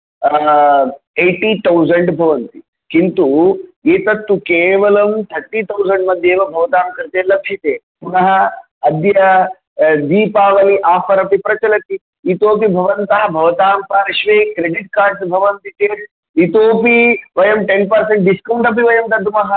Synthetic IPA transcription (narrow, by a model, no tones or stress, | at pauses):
eːʈit̪ɐwzɐɳɖbʱɐʋɐnt̪i | kint̪ueːt̪ɐt̪ːukeːʋɐlɐmt̪ʰɐɾʈit̪ʰɐwzɐɳɖmɐd̪ʱjeːʋɐbʱɐʋɐt̪aːmkɾit̪eːlɐkʰʃit̪eː | punɐɦɐ | ɐd̪jɐ | d̪iːpaːʋɐliʔaːpʰɐɾɐpipɾɐt͡ʃɐlɐt̪iː | t̪oːpibʱɐʋɐnt̪ɐɦɐbʱɐʋɐt̪aːmpaːɾɐʃʋeːkɾeɖiʈ̚kaːɾɖsbʱɐʋɐnt̪it͡ʃeːɾ | it̪oːpiʋɐjɐmʈenpɐɾseɳʈ̚ɖiskɐwɳʈɐpiʋɐjɐmt̪ɐd̪ʱumɐɦɐ